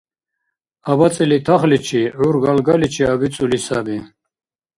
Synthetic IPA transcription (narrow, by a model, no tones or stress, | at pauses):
abat͡sʼilit̪ʰaχlit͡ʃʰiʕuɾɡalɡalit͡ʃʰiabit͡sʼulisabi